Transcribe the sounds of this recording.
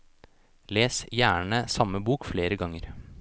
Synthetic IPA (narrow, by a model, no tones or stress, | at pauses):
leːsjæːɳəsɑməbuːkfleːɾəɡɑŋːəɾ